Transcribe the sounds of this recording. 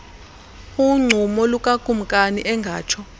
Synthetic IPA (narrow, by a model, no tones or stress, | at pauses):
uŋ͡ǀʱumɔlukʼakʼum̩kʼaniʔɛŋɡʱaːt͡ʃʰɔ